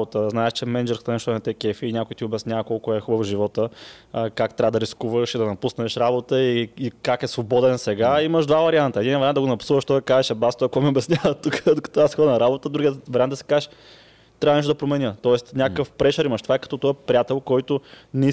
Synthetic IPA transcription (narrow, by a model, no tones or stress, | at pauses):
ot̪əznaɛʃt͡ʃɛmɛnd͡ʒɛɾskt̪ɐnɛʃt̪ɔɛnɐt̪ɛkɛfiːnʲakʊjt̪iʊbɛsnʲjavɐkɔlˠkʊɛxubəfʒivɔt̪ə | kakt̪ɾʲavəd̪ɐɾiskuvəʃid̪ɐnɐpusnɛʃɾabot̪əiːkakɛsvobɔd̪ɛnsɛɡaiməʃd̪vavɐɾiant̪əɛd̪invɐɾand̪ɡonɐpu̥suvəʃt̪ɔɛkazɛʃɛbast̪ɔɐkɔmɛobɛsnʲjavət̪ukəd̪oʊkɐ̥t̪ɔasxɔd̪nɐɾabot̪əd̪ɾuɡiəvɐɾʲiand̪əsi̥kazɛʃ | t̪ɾavɐnɛʃt̪od̪ɐpɾomɛnʲjət̪ɔɛst̪nʲakəfpɾɛʃəɾimɐʃt̪ovaɛkɐ̥t̪ɔt̪ɔɛpɾiat̪ɛlˠkɔjt̪ʊnɛi